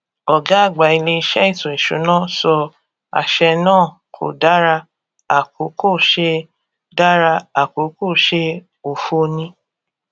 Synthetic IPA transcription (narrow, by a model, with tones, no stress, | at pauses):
ɔ˨ɡa˦a˦˨ɡ͡ba˨i˧le˧i˧ʃɛ˦i˦˨tũ˨e˨ʃṵ˨˦nã˦˨sɔ˧ | a̰˨ʃɛ˧nãː˦˨ | kʰo̰˨da˦ɾa˧ | a˨ko˨˦ko˦˨ʃe˧ | da˦ɾa˧a˨ko˨˦ko˦˨ʃe˧ | o˨fo˧nĩ˧˦